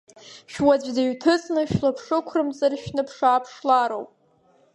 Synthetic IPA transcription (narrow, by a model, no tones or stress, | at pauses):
ʃᶣwad͡zʷdaɥtʰɨt͡sʼnɨʃᶣlapʰʂɨkʷʰrɨmt͡sʼarʃnɨpʰʂaːpʰʂlaɾowpʼ